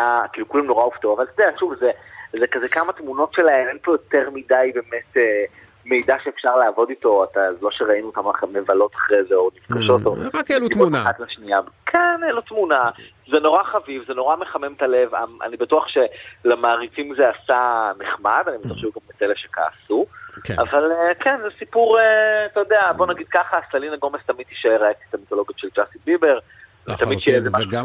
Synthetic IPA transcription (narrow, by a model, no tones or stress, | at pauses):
akilkulimno̞ʁauftoavalt̪odeaʃuvzezekazekamatmuno̞tʃelaemenpojoteʁmidajbe̞ːmete | me̞jdaʃeːfʃaʁlaaːvo̞dito̞atazelo̞ʃeʁainuːtamaχemːevalo̞taχʁezeonifkaʃo̞toakːluouaχatlaʃniabkʰɛnelotmuna | zeno̞ʁaχavivzeno̞ʁameχamemtale̞va̰mʔa̰nibatuaχʃe̞lamaːʁit͡simzeasaneχmad̪anibet̪uaχʃeuɡambet͡selefʃeka̰ːsuka̰valekʰenzesipuʁeat̪ajodeabo̞naɡid̥̪̚kaχastalinaɡo̞mest̪amid̪iʃaeʁaeti̥t̪amit̪o̞lo̞ɡjotʃeld͡ʒasitbibeʁ | vet̪amid̪ʃejezemaʃu